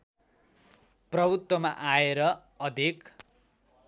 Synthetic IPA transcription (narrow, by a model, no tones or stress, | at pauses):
prʌbʱut̪wʌmaʔaeɾʌ | ʌd̪ʱek